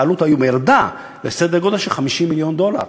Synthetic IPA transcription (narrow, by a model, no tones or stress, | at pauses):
alut̪ajumeʁd̪a | lesed̪eɡo̞d̪aʃelχamiʃimːiljo̞nd̪o̞la̰ʁ